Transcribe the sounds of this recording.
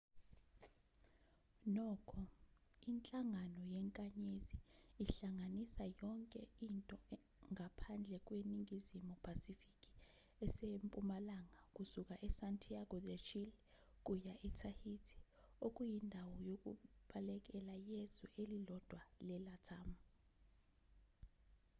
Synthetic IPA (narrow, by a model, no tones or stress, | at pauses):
nɔːkʰɔint͡ɬʼaŋanɔjɛŋkʼaɲeziːɬaŋanisajɔŋkʼɛintʼɔ | ŋʱapʰand͡ɮʱɛk̬ʼweniŋizimupʰasifikʼi̥ | ɛsempʼumalaŋakʼusuk̬ʼaʔɛsantʰʼiaɡɔdet͡ʃʰil | kʼujaʔɛtʰahitʰi̥ | okʼujindʱawɔjok̬ʼṵɓalɛk̬ʼɛlajezṵʔelilɔd̥ʱwalɛlatʰaːmu